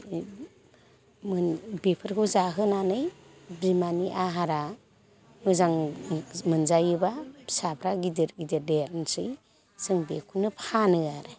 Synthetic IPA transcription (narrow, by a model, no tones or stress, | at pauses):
mɯbepʰɯɾkʰowzaɦɯnanɯj | bimaniʔaɦaɾa | mɯzaŋ | mɯnzajɯbasapʰɾaɡidiɾɡideɾdeɾnsɯj | sɯŋbekʰunɯpʰanɯaɾɯ